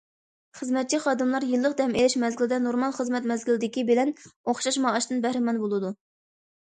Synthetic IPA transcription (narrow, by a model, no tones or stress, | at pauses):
χəzmɛt̪̚t͡ʃʰiχɑːd̪ɨmlˠɑɾjɨlˠːəq̚d̪ɛmelɪʃmɛzɡʲɪlɪd̪ɛnoɾmɑlˠχəzmɛt̪mɛzɡʲilɪd̪ɪkʲibɪlɛnoχʃɑʃmɑːʃt̪ɨnbɛhɾɪmɑnbolˠɨd̪u